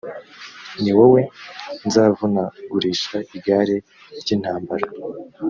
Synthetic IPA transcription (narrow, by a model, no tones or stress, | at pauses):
niwowe̞nzaːvunaɡuɾiːʃaʔiɡaːɾe̞ | ɾɟiːn̥haːmbaɾa